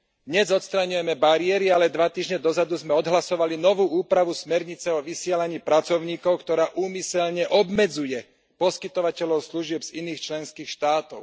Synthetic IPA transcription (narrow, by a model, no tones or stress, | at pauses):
d̪ɲɛzɔt̪st̪ɾaɲujɛmɛbaɾɪɛɾialɛd̪ʋat̪iːʒɲɛd̪ɔzad̪uzmɛɔd̪ɦlasɔʋalinɔʋuːuːpɾaʋusmɛɾɲit͡sɛɔʋisɪɛlaɲiːpɾat͡sɔʊɲiːkɔʊkt̪ɔɾaːʔuːmisɛʎɲɛʔɔbmɛd͡zujɛ | pɔskit̪ɔʋacɛʎɔʊsluʒɪɛbz̥iniːxt͡ʃlɛnskiːxʃt̪aːt̪ɔʊ